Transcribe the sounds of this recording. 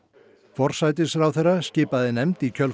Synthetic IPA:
fɔr̥sajt̪ɪsɾawθɛrːascɪːpaðɪnɛmt̪icʰœl

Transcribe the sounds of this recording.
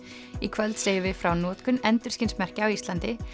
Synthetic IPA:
ikʰvɛlt̪seːjɪvɪfɾawnɔːt̪kʏnɛnt̪ʏɾ̥scɪnsmɛr̥cɪawist̪lant̪ɪ

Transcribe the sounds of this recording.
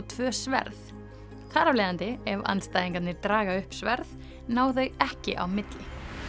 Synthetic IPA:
t̪ʰvœːsvɛ̰ɾθð | θaːɾavlɛːðant̪ɪɛva̰nst̪ajðiŋkat̪nɪɾt̪ɾaːɣaʏhpsvɛɾθð | naːwθœɥɣɛhcɪ̰ʔa̰wmɪt̪lɪ

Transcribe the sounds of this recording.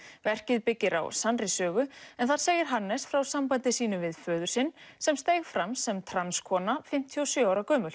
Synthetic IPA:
vɛr̥cɪðpɪcːɪɾa̰wsanrɪsœːɣʏɛnθaɾ̥seːjɪɾ̥ɦanːɛsfɾawsampajnt̪ɪsiːnʏvɪðfœːðʏɾ̥sɪnsɛmst̪eːjɣfɾamsɛmt̪ʰɾanskʰɔːnafɪm̥t̪ʰiɔsjœaːwɾakœːmʏl

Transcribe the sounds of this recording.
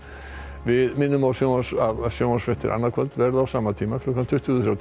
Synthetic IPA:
vɪðmɪnːʏmawsjowaʂavsjowasfɛht̪ɪ̰ɾʔa̰nːaɾkʰvɛlt̪vɛɾðawsaːmat̪ʰiːmakʰlɔkant̪ʰʏht̪ːθɾawt̪

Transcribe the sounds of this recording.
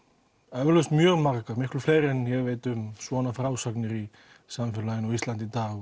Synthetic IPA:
ɛvʏɾlœst̪mjœɣmarkamɪklʏfleːjɾɛnjɛɣvejt̪ʏmswɔnafɾawsaknɪɾi | samfɛlajɪnɔɣist̪lant̪it̪aːɣ

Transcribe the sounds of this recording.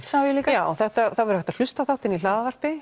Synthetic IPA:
saːvjliːkjaːwɔθɛht̪aθavɛɾhɛht̪al̥ʏst̪awθawht̪ɪnilaːðavar̥pɪ

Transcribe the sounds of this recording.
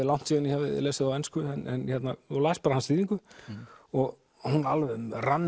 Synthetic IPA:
ɪlawn̥t̪siːðʏnjhavɪleːsɪðawɛnskʏɛnɛnhɛt̪naɔlaːspaːɾahansiːðiŋkʏ | ɔɣ | hunalvɛmranː

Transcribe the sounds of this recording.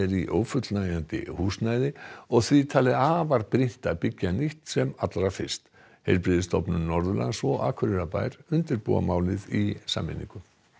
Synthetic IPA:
ɛɾiʔoːwfʏt̪lnajant̪ɪ̰huːsnajðɪɔɣθvit̪ʰaːlɪaːvaɾpɾɪn̥t̪apɪcːaniht̪sɛmat̪laɾafɪ̥st̪ | hejɾpɾɪðɪst̪ɔpnʏmnɔɾðʏla̰ɣsvɔʔaːkʰʏɾɪɾapa̰ːjɾ̥ʏnt̪ɪɾpṵːa̰maːwlɪðisa̰ːmːɪ̰nḭŋkʏ

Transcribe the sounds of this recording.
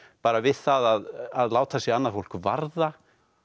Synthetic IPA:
paːɾavɪð̥θaðaðaðlaːwt̪ʰasɛanːaɾ̥fowl̥kva̰ɾða

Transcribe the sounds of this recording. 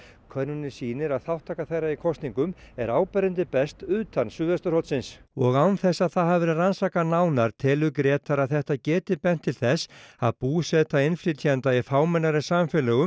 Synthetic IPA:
kʰœɾnʏnɪ̥siːnɪɾaðθawht̪ʰaːkaθejɾaikʰɔst̪niŋkʏmɛɾaːwpɛɾɪnt̪ɪpɛst̪ʏːt̪ansʏːðɛst̪ʏɾhɔwt̪sɪnsɔɣawnθɛsːaðθaðɦavɛɾɪðransaːkanaːwnaɾ̥t̪ʰɛːlʏkɾɛːt̪aɾaðθɛht̪acɛːt̪ɪpɛn̥t̪ʰːɪlθɛsa̰ðpuːsɛt̪aɪnfɾɪt̪ʰiant̪aifaːwmɛnːaɾɪsaːmfɛlɛɣʏ

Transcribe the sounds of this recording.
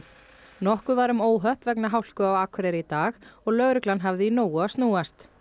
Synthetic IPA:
nɔhkʏvaɾʏmoːwɦœhpvɛknaɦawl̥kʏawakʰɾeɾɪit̪aːxɔɣlœɣɾʏklanɦavðɪinoːwaast̪nuːast̪

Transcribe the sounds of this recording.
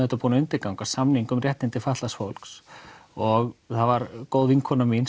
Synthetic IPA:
ɛht̪apuːnaʏnt̪ɪɾkawŋkḁsamniŋkʏmrjɛht̪nɪnt̪ɪfaht̪lasfowlksɔɣθavaɾkoːwðiŋkʰɔnamin

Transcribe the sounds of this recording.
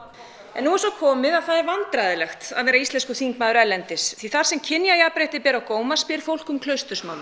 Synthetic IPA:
ɛnːuɛɾsɔkʰɔːmɪðaðθaðɛɾvant̪ɾajðɪlɛxt̪a̰vɛːɾaist̪ɛnskɔθiŋkmaːðʏɾɛlːɛnt̪ɪsθiθaɾ̥sɛmcʰɪnːjajapɾeːjht̪ɪpɛːɾawkoːwmaspɪɾ̥fowl̥kʏmkʰlœɥst̪ʏsmawn

